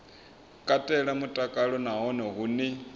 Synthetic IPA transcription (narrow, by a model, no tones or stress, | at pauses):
kʼatʼɛɺamutʼakʼaɺɔnaɦɔnɔɦunɪ